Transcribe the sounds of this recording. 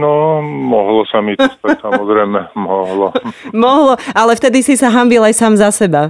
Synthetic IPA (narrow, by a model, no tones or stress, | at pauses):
nɔmɔɦlɔsamist̪asamɔzɾɛmɛmɔɦlɔmɔɦlɔalɛft̪ɛd̪isisaɦambilajsaːmzasɛba